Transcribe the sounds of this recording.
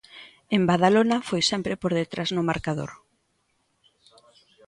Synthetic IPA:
embaðalonafojsɛmpɾɪpoɾðet̪ɾaznʊmaɾkaðo̰ɾ

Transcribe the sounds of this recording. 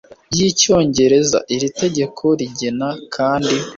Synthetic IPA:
ɟico̞ːɲɟe̞ɾe̞za̰ʔiɾite̞ɟe̞kʰo̞ɾiɟenakʰaːndi

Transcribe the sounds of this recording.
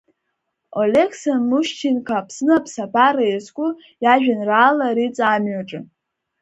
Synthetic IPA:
olekʰsanmuʃt͡ʃʰinkʰapʰsnɨapʰsabaɾajaskʷʼʊ | jaʒᶣanraːlaɾit͡sʼamɥaʈ͡ʂʼɨ

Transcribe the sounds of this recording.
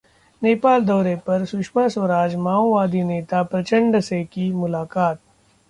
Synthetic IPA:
neːpaːld̪ɔːɾepɐɾsʊʃmasʋɐɾaːd͡ʒmaːoʋaːd̪ineːt̪apɾɐt͡ʃə̃ɳɖsekimʊlaːkaːt̪̚

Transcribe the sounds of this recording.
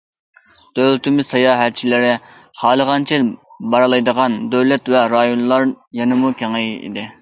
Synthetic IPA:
d̪̥ølt̪ʰɪmɪz̥sɑjɑːɦæt̪̚t͡ʃʰilɪɾɪ | χɑːlˠəʁɑnt͡ʃʰɛbɑɾlˠɑjd̪əʁɑnd̪øwlɛt̪vɛɾɑjonlˠɑɾ | jɑnɨmukʲʰeŋejḭd̪ɪ

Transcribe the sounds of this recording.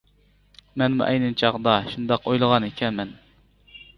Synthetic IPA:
mɛnmṵʔɛjnɨmt͡ʃʰɑʁd̪ɑʃund̪ɑqojlˠəʁɑnekʲʰɛnmɛn

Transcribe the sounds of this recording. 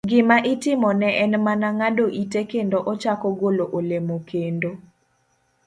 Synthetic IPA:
ɡɪmaʔɪtɪmɔnɛʔɛnmanaŋadoʔitekendoʔɔt͡ʃakɔɡoloʔolemokendo

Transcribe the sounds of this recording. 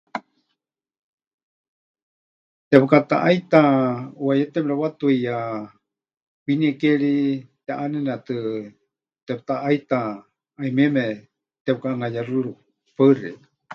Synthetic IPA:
t̪ɛpɨkat̪a̰ʔajt̪auwajɛt̪ɛpɺawat̪uija | winiɛkɛɺit̪aʔanɛnat̪ɨ | t̪ɛp̚t̪aʔait̪a | aimɛmɛ | t̪ɛp̚kaʔːŋajaruɺu | parɛ̰

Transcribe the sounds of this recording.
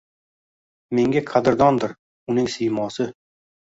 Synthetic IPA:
meŋɡʲaqʰad̪ɪɾd̪ɒnd̪ɪɾ | ʊnɪŋsɪjmɒsɪ

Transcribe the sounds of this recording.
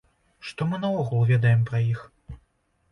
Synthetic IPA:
ʂt̪ɔmɨnɐvɔɣulˠvʲɛd̪ɐjɛmpɾɐjix

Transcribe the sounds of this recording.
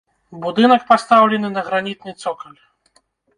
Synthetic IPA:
bud̪ɨnɐk̚past̪awlʲɛnɨnɐɣɾanʲit̪̚nɨt̪sɔkɐlʲ

